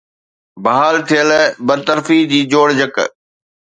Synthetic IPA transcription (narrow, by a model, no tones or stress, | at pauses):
bɐɦaːlt̪ʰijəlbɐɾt̪əɾfid͡ʑiːd͡ʑoːɽd͡ʑək